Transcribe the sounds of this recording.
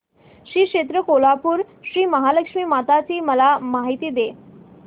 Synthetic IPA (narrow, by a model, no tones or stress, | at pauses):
ɕiːkʂet̪ɾəkolapuːɾ | ɕɾiːməɦaləkʂmiːmat̪at͡ɕiːməlamaɦit̪iːd̪e